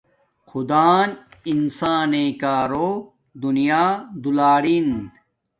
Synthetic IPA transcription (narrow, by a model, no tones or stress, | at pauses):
xʰʊd̪aːninsaːnekaːɾoː | d̪unijaːd̪ulaːɽin